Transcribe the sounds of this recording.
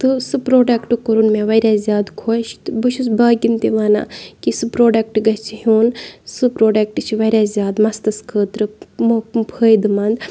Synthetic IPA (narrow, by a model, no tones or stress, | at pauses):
t̪ɨsɨpɾoːɖɐkʈɨkɐɾunmẽːʋɐɾʲaːzʲjaːd̪kʰoʃt̪ɨbɨʃʰusbaːɡʲint̪iʋaːna̰ːkisɨpɾoːɖɐk̚ʈɡɐt͡ʃʰiɦuːnsɨpɾoːɖɐk̚ʈɨt͡ʃʰiʋɐɾʲaːzʲjaːd̪mɐst̪ɐskʰəːt̪ɾɨmupʰəːjd̪ɨmɐnd̪